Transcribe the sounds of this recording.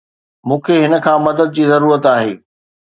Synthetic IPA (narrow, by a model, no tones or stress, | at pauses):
mũːkʰeɦɪnə̆kʰãːmɐd̪əd̪̚d͡ʑiːzɐɾuːɾət̪aːɦeː